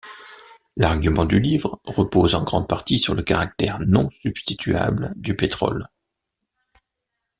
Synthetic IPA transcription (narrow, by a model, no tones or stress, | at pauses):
laʁɡymɑ̃d̪ylivʁʁəpozɑ̃ɡʁɑ̃d̪̚paʁt̪isyʁləkaʁak̚t̪ɛʁnɔ̃sybst̪it̪ʰɥa̰bld̪ypet̪χɔ̰l